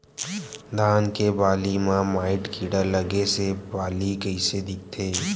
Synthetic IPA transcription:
d̪ʱaːnkebaːlimãmaːɪʈkiːɽəɾləɡesebaːlikəɪsed̪ɪk̚t̪ʰeː

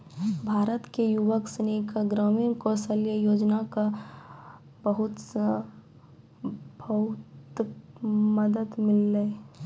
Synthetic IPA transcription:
bʱaːɾət̪kejuʋəksənikaɡɾɔːminkosəljəjoːd͡ʒnaka | bəɦʊt̪ | bʱɐt̪ | məd̪əd̪mɪlːe

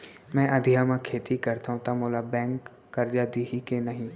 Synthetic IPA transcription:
mɛ̃ːʔə̃d̪ʱɪjãːmãːkʰeːt̪ikəɾt̪aɦũt̪ãmoːlaːbɛ̃ːŋkː | əɾd͡ʒaːd̪iɦikenəɦĩ

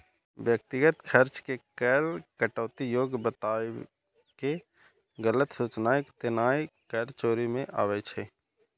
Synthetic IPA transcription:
ʋjək̚t̪ɪɡət̪kʰəɾt͡ʃkekɛːlkəʈɔːt̪ijoːɡbət̪aː | ke | ɡələt̪suːt͡ʃnaːɪkt̪ɪnaːikəːlt͡ʃoːɾimẽʔa̰ːʋet͡ʃʰeː

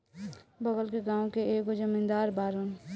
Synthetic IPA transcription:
bəɡəlkeɡãːõkeeːkod͡ʒəmɪ̃nd̪aːɾbaːɾən

